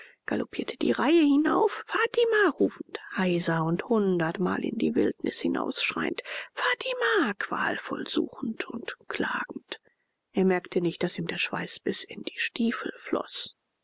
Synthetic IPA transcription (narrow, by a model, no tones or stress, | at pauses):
ɡ̥alopʰiːɐtʰəd̥ḭːʁaɪəhɪnaʊffaːtʰimaːʁuːfn̩thaɪzɐʊnthʊndɐtma̰ːlʔɪ̰ndiːvɪltnʔɪshɪna̰ʊsʃʁ̥a̰ɪəntfaːtʰimakv̥a̰ːlfɔ̰lz̥ṵːxn̩tʰʊ̰ntkʰl̥a̰ːɡ̥ŋ̩t | ʔeːɐmɛɐktʰənɪçt̚d̥asiːmdeːɐʃv̥a̰ɪsb̥ɪsɪnd̥iːʃtiːfl̩flɔ̰s